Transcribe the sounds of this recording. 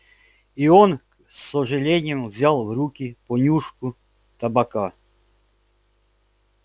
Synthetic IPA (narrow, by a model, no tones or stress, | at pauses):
iɔn | sːɔʐɛlʲenʲɪɛmvzʲalˠwɾukʲipɔnʲuʂkʊ | t̪ɐbaka